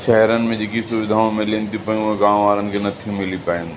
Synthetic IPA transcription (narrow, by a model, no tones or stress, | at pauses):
ʃɛɦɾənɪ̆mẽd͡ʑeːkisʊʋɪd̪ʱaːõmɪlent̪ʰipɐjũɦẽɡãːmʋaːɾənɪ̆kʰenɐt̪ʰĩmɪlipaːjɪ̃n